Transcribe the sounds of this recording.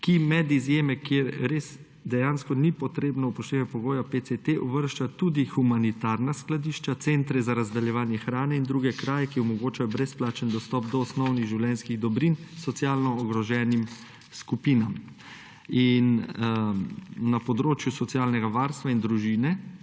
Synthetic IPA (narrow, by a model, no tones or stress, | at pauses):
kimɛd̪izjeːmɛkjeɾɾeːz | d̪ɛjaːnskɔnipɔt̪ɾeːbnɔupɔʃt̪eːʋɛpɔɡoːjapeset̪eʔɔʋəɾʃt͡ʃat̪ud̪ixumanit̪aːɾnasklad̪iːʃt͡ʃat̪sent̪ɾɛzaɾazd̪aljɛʋaːnjɛxɾaːnɛind̪ɾuːɡɛkɾaːjɛkiɔmɔɡoːt͡ʃajɔbɾɛsplaːt͡ʃɛnd̪ɔst̪ɔːp̚d̪ɔːsnɔwniɣʒiwljɛnskiɣd̪ɔbɾinsɔt̪sjaːlnɔːɡɾɔʒɛːnim | skupiːnam | in | apɔd̪ɾoːt͡ʃjusɔt̪sjaːlnɛɡaʋaːɾst̪ʋaind̪ɾuʒiːnɛ